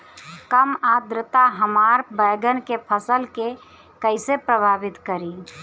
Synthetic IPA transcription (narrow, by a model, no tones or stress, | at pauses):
kəmad̪ɾət̪aɦəmaɾbəɪɡənkepʰəsəlke | kəɪsepɾəbʱaːbɪt̪kəɾi